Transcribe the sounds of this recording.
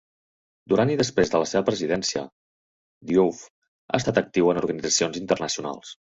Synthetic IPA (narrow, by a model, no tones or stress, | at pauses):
d̪uɾaniðəspɾezðələseβəpɾəzið̞ɛnsiə̰ | d̪juf | a̰əst̪at̪ək̚t̪iwənuɾɣənid͡zəsionzint̪ərnəsiuna̰lˠs